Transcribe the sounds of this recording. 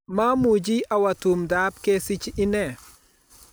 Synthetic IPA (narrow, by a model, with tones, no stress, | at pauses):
ma˦mu˨d͡ʒi˦ʔa˨wa˨tu˨mda˨˦p̚ke˦si˦t͡ʃɪ˦nɛ˨